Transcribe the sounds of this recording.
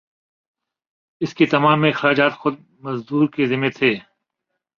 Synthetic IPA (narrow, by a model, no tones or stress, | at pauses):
ɪsket̪ɐmaːmɪxɾaːd͡ʒaːt̪xʊd̪̚ | mɐzd̪uːɾkezɪmet̪ʰeː